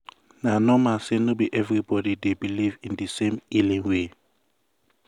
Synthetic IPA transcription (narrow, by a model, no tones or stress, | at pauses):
nanɔmasenobiʔɛvɹibɔdidebilivĩndəsẽmilĩŋwe